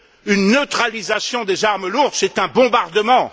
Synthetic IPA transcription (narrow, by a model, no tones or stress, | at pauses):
ynːøt̪χalizasjɔ̃d̪ezaʁməluʁd̪sɛt̪ɛ̃bɔ̃baʁd̪əmɑ̃